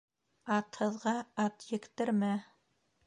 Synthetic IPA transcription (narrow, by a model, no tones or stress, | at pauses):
ɑt̪hɤ̆ðʁɑɑt̪jɘ̆kt̪ɘ̆ɾmæ